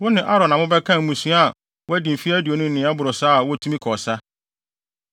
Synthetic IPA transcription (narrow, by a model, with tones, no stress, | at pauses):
wɔ˦nɪ̃˨ʔa˦ɾɔ̃˨nã˨mʊ̃˦bɛ˦kʰã˦˨mũ˨sũ˦a˦˨ | wɔ˦æ˦dĩ˨m̩˨fi˦æ˦di˨o˨nʊ̃˦n̩˦nɪ̃˨˦a˦bʊ˨ɾʊ˨sa˦a˨wɔ˦tʰũ˦mĩ˦kʰɔ˨sa˦